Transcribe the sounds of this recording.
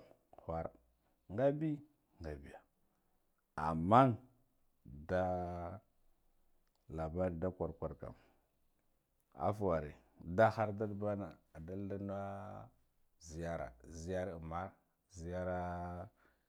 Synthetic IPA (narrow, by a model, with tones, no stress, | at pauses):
xʷa˨ɾa̰˨ | ŋɡa˦bi˦ | ŋɡa˨bi˨ja˨ | a̰˨mːa˦ | da˦ | la˨ba˦ɾda˦kʷa˨ɾkʷa˨ɾka̰˨m | a̰˦fwa˨ɾḭ˨ | da˦xa˦ɾda˦dba˦na˨a˨da˦lda˦n˦a˦ | zi˨ja˦ɾa̰˨zi˨˦ja˦ɾma˦ɾ | zi˨ja˦ɾa˦